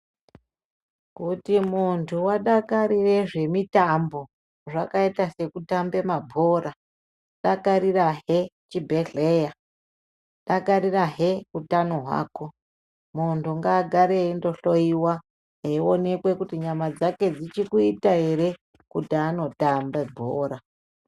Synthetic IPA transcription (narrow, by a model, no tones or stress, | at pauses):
kutimuntʰuwaɗakaɾire̞ʐe̞mitambo̞ | ʐakaitase̞kutambe̞mabʱo̞ra | ɗakaɾiraɦe̞t͡ʃibʱe̞ɮeja | ɗakaɾiraɦe̞utanoɦwa̰ːko̞ | muntʰuŋɡaːɡʱaɾeindo̞ɬo̞iwa | ɦeione̞kwe̞kutiɲamad͡zake̞d͡zit͡ʃikuitaɦe̞ɾe̞ | kutiano̞tambebʱoːɾa